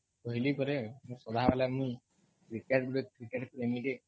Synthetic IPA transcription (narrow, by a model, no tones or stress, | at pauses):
kɔɦilipɔɾemũsɔd̪ʱaɦapalamũ | kɾikaʈɡuɽekɾikeʈpɾemiʈe